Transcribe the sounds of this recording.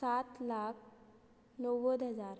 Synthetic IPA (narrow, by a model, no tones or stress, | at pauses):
sat̪lak̚ʰ | nɔʋəd̪ɦəd͡zaɾ